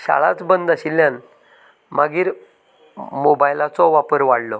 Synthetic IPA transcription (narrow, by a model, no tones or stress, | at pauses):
ɕa̰ɭa̰t͡sbənd̪aɕilːjan | maɡiːɾ | mobajlat͡sɔʋapəɾʋaɽlɔ